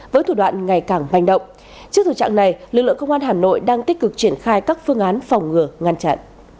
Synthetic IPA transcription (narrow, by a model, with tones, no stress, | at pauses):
vəː˨˦jt̪ʰu˧˩ɗwa̰ː˧˨nŋa˨˩jkaː˧˩ŋma̰˨˧˩jŋ̟ɗə̰˧˨wŋ͡m | t͡ɕi˦˥ək̚t̪ʰə˨˩t͡ɕa̰ː˧˨na˨˩jlɨ˨˩k̚lɨ̰˧˨əŋkə˧wŋ͡mʔaː˧nɦaː˨˩no̰˧˨jɗaː˧ŋt̪i˦˥k̟̚kɨ˨˩k̚t͡ɕi˧˩ənxaː˧jkaː˦˥k̚fɨ˧əŋʔaː˨˦nfa˨˩wŋ͡mŋɨ˨˩əŋa˧nt͡ɕa̰ː˧˨nʔ